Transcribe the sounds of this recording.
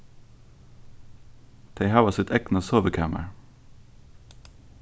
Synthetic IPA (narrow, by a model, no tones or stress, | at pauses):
d̪̥ʰeɪhɑːʋɑsɪt̪ʰɛknəsoːʋəkʰæːmʔə̰ɹ